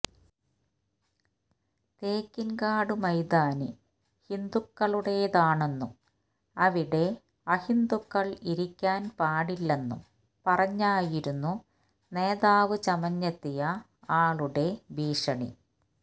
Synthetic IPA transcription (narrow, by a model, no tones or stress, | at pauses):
t̪eːkːinkaːɽɨmɐjd̪aːnḭ | hind̪ukːɐɭuɽe̞jðaːɳe̞nːum | ɐʋiɽe̞ | ɐhind̪ukːɐɭiɾikʲːaːnpaːɽilːe̞nːṵm | pɐrɐɲːaːjiɾunːu | ne̞ːðaːʋɨt͡ɕɐmɐɲːɐt̪ːijɐ | aːɭuɽe̞biːʂɐɳḭ